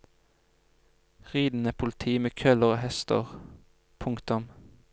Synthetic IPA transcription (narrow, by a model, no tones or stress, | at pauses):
ʁiːd̪n̩əpʰʊlt̪ʰiːmeːkʰœləʁoːhɛst̪ə̰ʁ | pʰʊŋkt̪ʊm